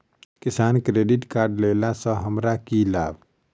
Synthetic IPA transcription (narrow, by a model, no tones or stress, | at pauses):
kisaːnkɾeːɖɪʈkaːɾɖlelasə̃ɦəmɾakilaːb